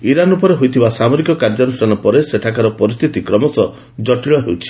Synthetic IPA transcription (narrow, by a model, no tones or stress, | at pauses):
iɾanupɔɾeɦojt̪ʰibasamoɾikɔkaɾd͡ʒɔnusʈʰanɔpɔɾeseʈʰakaɾɔpɔɾist̪ʰit̪ikɾɔmɔsɔ | d͡ʒɔʈiɭɔɦewt͡ʃʰi̥